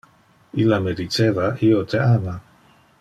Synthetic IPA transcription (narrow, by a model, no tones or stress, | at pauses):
ilamed̪it͡ʃevaʔiot̪ʰeana